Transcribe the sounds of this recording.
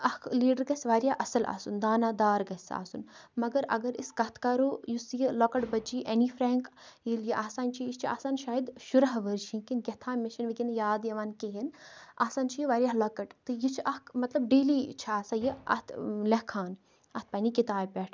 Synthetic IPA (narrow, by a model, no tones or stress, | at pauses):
ɐhkʰliːɖəɾɡɐsʲʋaːɾʲjaːʔɐsɐla̰ːsund̪aːnaːd̪aːɾɡɐsa̰ːsunmɐɡɐɾɐ̰ɡɐɾiskɐt̪ʰkɐɾoːjusjilokɐʈbɐd͡ʒiʔenifʰɾɛːŋkjiljiʔaːsaːnt͡ʃʰijit͡ʃʰia̰ːsaːnʃaːjid̪ʃuɾɐɦʋəɾt͡ʃʰinkinɡʲɐt̪ʰaːmeʃɐnʋikinjaːd̪jɐʋaːnkeɦina̰ːsaːnt͡ʃʰijiʋaːɾjaːlɔkɐʈt̪ɨjit͡ʃʰʔɐhkʰmɐt̪lɐb̚ɖeːliːt͡ʃʰaːsajiɐ̰t̪ʰlɐkʰaːn | ɐt̪̚ʰpɐnikit̪aːpʲɛːʈʰ